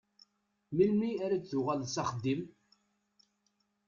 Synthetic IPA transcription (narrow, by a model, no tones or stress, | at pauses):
milmiaɾat͡sθʊʁælsaχəd̪ːim